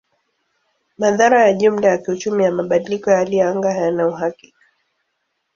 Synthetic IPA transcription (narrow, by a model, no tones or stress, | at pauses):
maðaɾajaʄum̩lajakiut͡ʃumijamaɓaɗilikɔjaliɛaŋɡahajanauɦaki̥kḁ